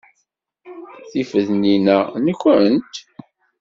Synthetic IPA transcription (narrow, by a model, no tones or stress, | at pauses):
θifəðninænəkʷːənt̪